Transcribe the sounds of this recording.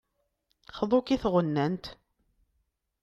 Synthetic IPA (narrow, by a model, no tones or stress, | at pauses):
χəðˤokiθʁənːænt̪